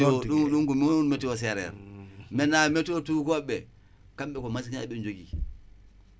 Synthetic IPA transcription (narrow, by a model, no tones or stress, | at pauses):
uɗuŋkumiunmɛtɛɔs̬ɛɾɛ̰ɾmɛnamɛtɔtukɔɓɛ | kamɓɛkɔmas̬ikinaɓɛnd͡ʒoɡi